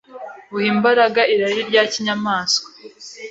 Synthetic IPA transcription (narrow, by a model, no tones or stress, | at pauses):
βuhiːmbaɾaɡaʔiɾaɾiɾɟaːciɲamaːsko̥